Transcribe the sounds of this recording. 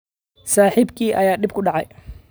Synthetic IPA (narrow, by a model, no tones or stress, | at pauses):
saːħɪibkʰiːʔɐjaːɗɪb̚kʰʊɖɑʕɑj